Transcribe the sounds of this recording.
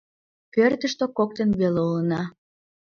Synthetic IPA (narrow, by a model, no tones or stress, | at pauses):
pørt̪əʃt̪okok̚t̪enβeleulənɑ